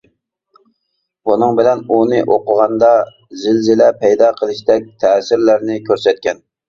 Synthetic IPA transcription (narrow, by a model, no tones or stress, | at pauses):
bunɨŋbɪlɛnunɨʔoqəʁɑnd̪ɑ | zɪlzɪlɛpʰɛjd̪ɑqʰəlˠɨʃt̪ɛk̚ʲt̪ʰɛːsɪɾlæɾnɪkʲʰøɾsɛt̪̚kʲɛn